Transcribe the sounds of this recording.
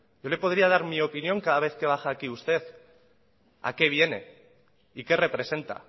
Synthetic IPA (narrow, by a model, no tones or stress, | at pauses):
ɟ͡ʝo̞le̞po̞ð̞ɾiað̞aɾmio̞pinjo̞ŋkaðaβ̞e̞θke̞β̞axaːkiust̪e̞θ | a̰ke̞β̞je̞ne̞̰ | ike̞re̞pɾe̞se̞nt̪a̰